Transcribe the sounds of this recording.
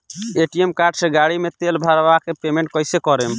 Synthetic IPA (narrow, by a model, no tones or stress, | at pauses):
eʈiemkaɾʈseɡaɽimet̪elbʱaɾbakepemẽɳʈ̚kɔɪsekɔɾem